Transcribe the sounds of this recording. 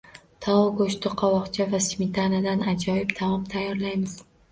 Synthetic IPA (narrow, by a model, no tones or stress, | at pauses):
t̪ʰɒɒɡoʃt̪ɪqʰɒwɒqt͡ʃʰavasmʲɪt̪ʰanad̪anad͡ʒɒjɪbt̪ʰamɒmt̪ʰajːɒɾlajmɪz̥